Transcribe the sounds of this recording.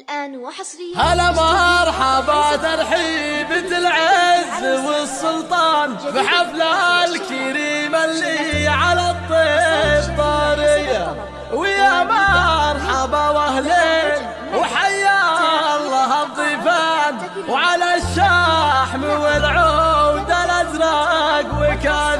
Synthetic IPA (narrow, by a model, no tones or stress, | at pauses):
halamɑɾˤħabat̪ɑɾħiːbɪt̪ɪlʕɪzwɪsːʊlt̪ˤɑːnbɪħaflalkaɾiːmalːiʕalat̪ˤːeːbt̪ˤɑːɾɪjːa | wɪjamɑɾˤħabawahleː | wħajːalːɑɦɑd̪ˤːiːfan | wʕalaʃːaħmɪwɪlʕowd̪alad̪ɾˤɑɡwɪka